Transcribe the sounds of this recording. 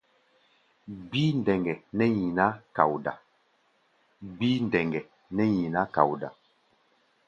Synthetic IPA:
bi˦n˨dɛ˨ŋɡɛ˨nɛ˦ɲi˨na˦ka̰˨wda̰˨ | bi˦n˨dɛ˨ŋɡɛ˨ | nɛ˦ɲi˨na˦ka̰˨wda̰˨

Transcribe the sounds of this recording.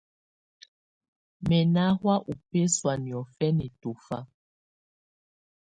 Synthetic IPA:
mɛ˨na˦hwa˦ʔu˨pe˦swa˨ni˨ɔ˨fɛ˦nɛ˨to˨fa̰˦

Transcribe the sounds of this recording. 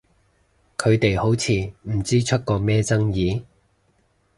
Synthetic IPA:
kʰɵ˨˧ɥt̪e˨jho˨˥wt͡sʰiː˨˧m̩˨˩t͡siː˥t͡ʃʰɵ˥t̚kɔː˧mɛː˥t͡sɐ˥ŋjiː˨˧

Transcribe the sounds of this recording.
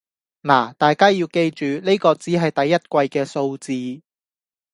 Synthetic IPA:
laː˨˩t̪aː˨jkaː˥jiː˧wke˧jt͡ʃyː˨ne˥jkɔː˧t͡siː˨˥ɦɐ˨jt̪ɐ˨jːɐ˥t̚kʷɐ˧jkɛː˧so˧wt͡siː˧

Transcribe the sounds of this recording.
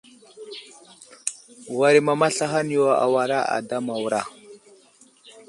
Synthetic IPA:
wa˨ɾi˨ma˨ma˦ɬa˦ɦa˦ni˦o˨a̰˨wa˨ɾa˦a̰˨da˦ma˨wɾa˨

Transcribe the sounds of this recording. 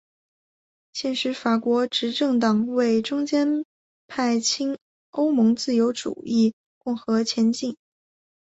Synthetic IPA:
ɕjɛ˥˩nʂɻ̩˧˥fa˨˩kwɔ˧˥ʈ͡ʂɻ̩˧˥ʈ͡ʂɤ˥˩ŋt̪ɑ˨˩ŋwe˥˩ɪʈ͡ʂʊ˥ŋt͡ɕjɛ˥n | pʰa˥˩ɪt͡ɕʰi˥ŋ | o˥ʊmɤ˧˥ŋt͡sɹ̩˥˩jo˧˥ʊʈ͡ʂṵ˨˩i˥˧ | kʊ˥˩ŋxɤ˧˥t͡ɕʰjɛ˧˥nt͡ɕi˥˩ŋ

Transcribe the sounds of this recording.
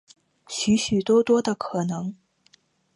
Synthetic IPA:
ɕy˧˥ɕy˨˩t̪wɔ˥t̪wɔ˥d̪ə˨kʰɤ˨˩nɤ˧˥ŋ

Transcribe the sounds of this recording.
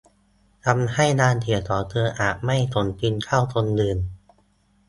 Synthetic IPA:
t̪ʰa˧mha˥˩jnaː˧nt̪ʰi˩˦ɐt̪ɔː˩˦t̪ʰɤː˧ʔaː˨˩t̚ma˥˩jt̪ʰo˩˦npʰi˧nkʰa˥˩wt̪ʰo˧ndɯː˧˩n

